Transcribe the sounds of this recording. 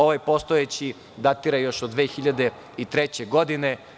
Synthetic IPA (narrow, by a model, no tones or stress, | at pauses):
o̞ʋajpost̪oet͡ɕi | d̪at̪iɾajo̞ʃod̪d̪ʋeːxiʎad̪e̞ | it̪ɾet͡ɕeɡod̪ine